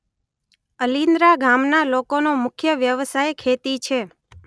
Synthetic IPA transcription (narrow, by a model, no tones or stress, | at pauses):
əlind̪ɾaɡʱamnalokonomʊkʰjəʋjəʋsajkʰet̪it͡ʃʰe